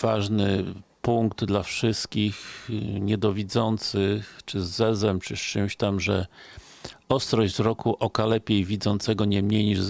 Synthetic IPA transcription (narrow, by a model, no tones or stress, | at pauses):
vaʐnɘpuŋkd̪d̪lafʂɘst̪kʲixɲɛd̪ɔvʲid̪zɔnt̪sɘxt͡ʂɘzːɛzɛmt͡ʂɘst͡ʂɘmɕt̪amʐɛ | ɔst̪ɾɔʑzɾɔkʰuʔɔkalɛpʲjejvʲid̪zɔnt̪sɛɡɔɲɛmɲejɲiʐ